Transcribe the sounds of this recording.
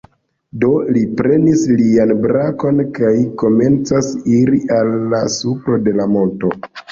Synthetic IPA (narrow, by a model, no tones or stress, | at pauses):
do̞lipɾe̞nislianbɾako̞nkajko̞me̞nt͡sasiɾiʔalːasufɾode̞lamo̞nto̞